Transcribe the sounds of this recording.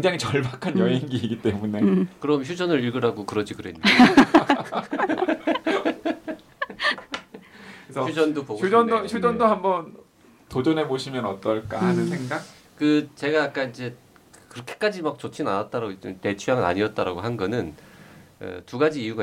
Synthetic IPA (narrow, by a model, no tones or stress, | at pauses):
keŋd͡ʑaŋit͡ɕʌɭbakʰanjʌɦeŋɡiiɡit͈emunekɯɾʌmçjud͡ʑʌnɯɾiɭɡɯɾɦaɡokɯɾʌd͡ʑikɯɾḛnː | ʌjud͡ʑʌndopoɡuʌndoçʰjud͡ʑʌndohambʌn | tod͡ʑʌne̞boɕʰimjʌnʌt͈ʌɭk͈anɯnsʰeŋɡak | kɯt͡ɕe̞ɡajak͈aind͡ʑe̞ | kkɯɾʌkʰe̥k͈ad͡ʑimak̚t͡ɕ͈ot͡ɕʰinanat̚t͈aɾaɡoid͡ʑente̞t͡ɕʰujaŋɯna̰ɲiʌt̚t͈aɾaɡoɦanɡʌnɯn | ɯ̰tuɡad͡ʑiːjuɡa